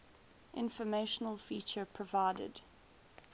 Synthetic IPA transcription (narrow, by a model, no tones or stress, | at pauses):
ʔɪ̰̃nfəmeɪʃənəlˠfiːˑt͡ʃəpʰɹ̥əvaɪdə̰d̥